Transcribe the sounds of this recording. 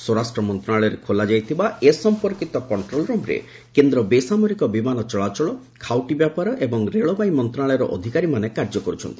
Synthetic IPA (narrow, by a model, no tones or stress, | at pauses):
sɔɾasʈɾɔmɔnt̪ɾaɭɔɔɾekʰolad͡ʒajt̪ʰibaesɔmpɔɾkit̪ɔkɔɳʈɾolɾɔmɾḛ | kend̪ɾɔbesamɔɾikɔbimanɔt͡ʃɔɭat͡ʃɔɭɔ | kʰawʈibjapaɾɔʔebɔŋɾeɭɔbajmɔnt̪ɾaɭɔjɾɔʔɔd̪ʱikaɾimanekaɾd͡ʒɔkɔɾut͡ʃʰɔnt̪ʰi̥